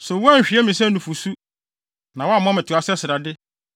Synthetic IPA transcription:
sʊ˨wa˦ɲ˨ɕᶣi˨˦ɛ˦mĩ˨s̬ɛ̃˦nũ˨fu˨su˦ | nã˨wɔ˦a˦mã˦mɪ̃˨tʰɪ˨a˨sɪ˦ɛ˦sɪ˨ɾa˨dɪ˦

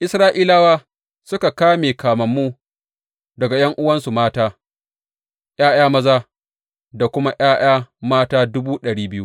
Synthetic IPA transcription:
ʔɪ˦sɾaː˦ʔiː˦laː˦waː˦ | sʊ˦ka˨kaː˦meː˨kaː˨mɐ˨mːuː˦ | dɐ˨ɡa˨jʔɐ˦ŋʔʊ˦wɐ˦nsu˨maː˦taː˦ | j̰aː˦j̰aː˦mɐ˦zaː˦ | da˨kʷʊ˦ma˦ʔj̰aː˦j̰aː˦maː˦taː˦dʊ˦buː˦ɗɐ˨ɽiː˦bɪ˦ju˦

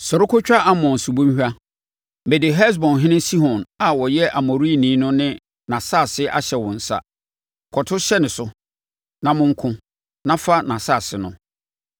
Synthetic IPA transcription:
sɔ˨ɾʊ˦kʰʊ˦t͡ɕᶣa˦ʔa˦mɔ̃˨n̩˨sʊ˨bũ˦m˦hᶣa˦ | mɛ˨dɪ˨ɦɛ˦s̬bɔ̃˨nɦɪ̃˦nɪ̃˦si˦hɔ̃˨na˨wɔ˨jɛ˦ʔa˨mɔ̃˨ɾi˦˨nĩ˨˦nʊ̃˦nɪ̃˦ | nã˨saː˦˨sɪ˦ʔa̰˦ɕɛ˨wɔ̃˨n̩˨sa̰˦ | kʰɔ˨tʰʊ˦ɕɛ˦nɪ̃˨sʊ˦ | nã˦mʊ̃˦ŋ̩˦kʰʊ̃˦ | nã˦fa˦nã˨saː˦˨sɪ˨nʊ̃˦

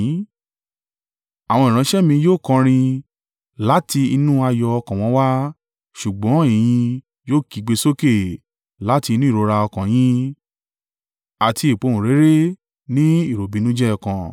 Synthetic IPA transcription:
a˨w̃ɔ̃˧i˨ɾã˨˧˦ʃɛ˦mĩ˧joː˦˨kã˧ɾ̃ĩ˧ | la˨˦ti˧i˧nũ˦a˧jɔ˧ɔ˧kã˨w̃ɔ̃˨˦wa˦ | ʃu˨ɡ͡bɔ̃˨˦e˦˨j̃ĩ˧ | joː˦˨ki˨˧ɡ͡be˧so˦ke˦˨ | la˦ti˧nũ˦˨o˨˧˦ɾa˧ɔ˧kã˨j̃ĩ˦ | a˨ti˧i˨k͡po˨˦ũ˨ɾe˨˦ɾe˦ | nĩ˦i˦˨ɾo˨bi˨˦nũ˦d͡ʒɛ˦˧kã˨

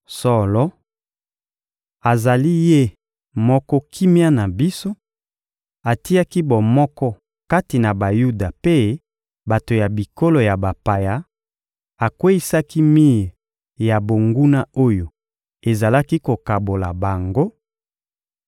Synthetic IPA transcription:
sɔ˦lɔ˦ | a˨za˨li˦je˦ | mɔ˦kɔ˦kʰi˦mi˦a˦na˨bi˦so˦ | a˨ti˦a˦ki˦bɔ˨mɔ˦kɔ˦ | ka˦ti˨na˨ba˨ju˦da˨pe˦ | ba˨to˨ja˨bi˨ko˦lo˨ja˨ba˨pa˨ja˨ | a˨kwe˦i˦sa˦ki˦mi˦˨ | ja˨bo˨ŋɡu˦na˦o˦jo˨ | e˨za˨la˦ki˦ko˨ka˨bo˨la˨ba˨ŋɡo˦

